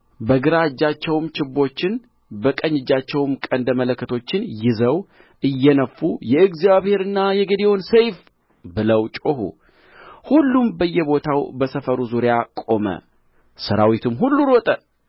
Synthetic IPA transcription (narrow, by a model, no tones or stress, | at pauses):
bəɡɨɾad͡ʒːat͡ʃːɛwmt͡ʃɪbːo̞t͡ʃːɪn | bəkʼəɲːɪd͡ʒːat͡ʃːɛwmkʼənd̪əmələkːət̪ʰo̞t͡ʃːɪnjɪzəw | ʔɨjːɛnəfːujɛɨɡzijaβhe̞ɾɨnːajɛɡəd̪ewonsejf | bɨləwt͡ʃʼohṵ | hulːumbəjːɛbo̞t̪ʰawbəsəfəɾuzuɾɪjakʼo̞mə̰ | səɾawit̪ʰɨmɦulːuɾot̪ʼə